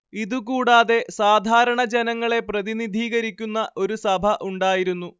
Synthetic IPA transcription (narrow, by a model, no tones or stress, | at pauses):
iðuk̬uːɽaːðe̞saːd̪ʱaːɾɐɳɐd͡ʑenɐŋːɐɭe̞prɐðinid̪ʱiːɣɐɾikʲːunːɐʔo̞ɾusɐbʱɐʔuɳɖaːjiɾunːu